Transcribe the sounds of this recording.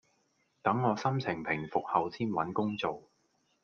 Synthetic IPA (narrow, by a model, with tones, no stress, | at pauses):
t̪ɐ˨˥ŋːɔː˨˧sɐ˥mt͡sʰɪ˨˩ŋpʰɪ˨˩ŋfʊ˨k̚hɐ˨wt͡sʰiː˥nwɐ˨˥nkʊ˥ŋt͡so˨w